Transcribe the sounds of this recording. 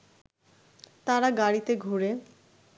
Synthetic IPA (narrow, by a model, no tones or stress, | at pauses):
t̪aɾaɡaɽit̪eɡʱuɾe